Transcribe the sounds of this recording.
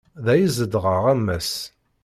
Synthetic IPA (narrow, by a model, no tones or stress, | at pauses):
ðæjəzəd̪ʁəʁæmːæs